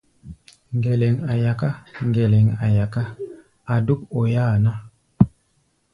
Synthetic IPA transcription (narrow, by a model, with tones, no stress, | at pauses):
ŋɡe˨le˨ŋa˨ja˨ka˦ŋɡe˨lɛ˨ŋa˨ja˨ka˦ | a˨du˦k̚o˨jaː˦˨na˦